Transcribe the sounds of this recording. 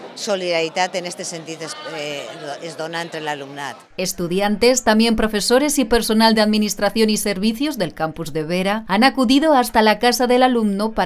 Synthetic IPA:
soliðaɾit̪at̪enest̪esent̪iðoe | ezðonaẽnt̪ɾelalumnat̪e̞st̪uðjant̪e̞st̪ambje̞mpɾo̞fe̞so̞ɾe̞sipe̞ɾso̞nald̪eaðminist̪ɾaθjo̞nise̞ɾβiθjo̞zðe̞lkampuzðe̞β̞eɾaanakuðiðoast̪alakasaðe̞lalumnopa

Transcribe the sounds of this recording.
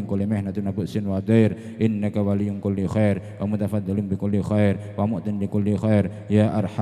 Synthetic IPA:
ŋkulimɛhnat̪unabʊʔsɪnwad̪ajɾ | ʔɪnːakawalijʊŋkʊlːixajɾwamʊt̪afad̪ːalɪmbɪkʊlːixajɾwamʊʔt̪ɪnlikʊlːixajɾ | jaːʔarħa

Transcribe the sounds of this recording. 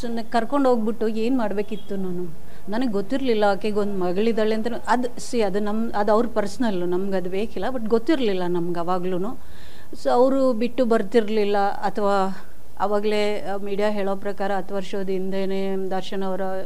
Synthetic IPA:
sonkɐɾko̞ɳɖɦo̞ːɡ̚biʈːue̞ːnmaːɽbe̞ːkit̪ːunaːnu | nɐnɡeɡot̪ːiɾlilːɐakːeɡond̪mɐɡɐɭid̪ɐɭeɐnt̪ɐɾeʔɐd̪usiɐd̪unɐm | ɐd̪ɐʋɾupɐɾsɐnɐlːunɐmɐɡɐd̪ubeːkilːɐbɐʈɡot̪ːiɾlilːɐnɐmɐɡɐʋaːɡluːnuː | soɐʋɾubiʈːubɐɾt̪iɾlilːɐ | ɐt̪ʰɐʋaː | ɐ̰ʋaːɡle | miːɽijaːɦeːɭoːpɾɐkaːɾɐːt̪ʰɐʋɐɾʃoːd̪ind̪eːneː | d̪ɐɾʃɐɳɐʋɐɾɐ

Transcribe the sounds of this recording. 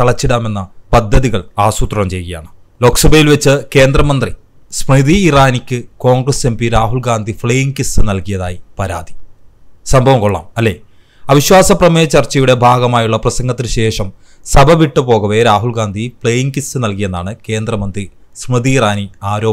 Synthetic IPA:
ɐɭɐt͡ɕːiɽaːme̞nːɐpɐd̪ʱːɐðiɣɐɭaːsut̪rɐɳɐmt͡ɕe̞jɣɐja̰ːɳɨ | lo̞ːksɐbʱɐjilʋet͡ɕːɨke̞ːnd̪rɐmɐnd̪ri | smrɨðiːraːnikʲːɨko̞ːŋɡrɐse̞mbiɾaːɦulɡaːnd̪ʱifɭejiŋkisɨnɐlkijɐða̰ːjipɐɾa̰ːd̪i̥ | sɐmbʱɐʋɐmkoɭːa̰ːmɐlːe̞ː | ɐʋiɕwaːsɐprɐmeːt͡ɕːɐrt͡ɕːɐjuɽe̞bʱaːɡɐmaːjuɭːɐprɐsɐŋɡɐt̪ːilɨɕe̞ːʂɐm | sɐbʱɐʋiʈːɨpo̞ːɣɐʋeɾaːɦulɡaːnd̪ʱifɭejiŋkisɨnɐlkije̞nːaːɳɨke̞ːnd̪rɐmɐnd̪ri | smrɨðiːraːniaːɾo̞ː

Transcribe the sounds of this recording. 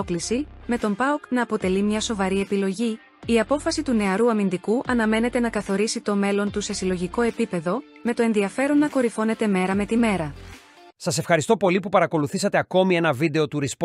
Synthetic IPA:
oklisime̞t̪o̞mbɐuknɐːpo̞t̪e̞limɲɐso̞vɐɾie̞pilo̞ʝi | iɐpo̞fɐsit̪une̞ɐɾuɐmind̪ikuʔɐnɐme̞ne̞t̪e̞nɐkɐθo̞ɾisit̪o̞me̞lo̞nt̪use̞silo̞ʝiko̞e̞pipe̞ðo̞ | me̞t̪o̞e̞nðiɐfe̞ɾo̞nːɐko̞ɾifo̞ne̞t̪e̞me̞ɾɐme̞t̪ime̞ɾɐ | sɐse̞fxɐɾist̪o̞po̞lipupɐɾɐko̞luθisɐt̪eɐko̞mie̞nɐvid̪e̞o̞t̪uɾisp

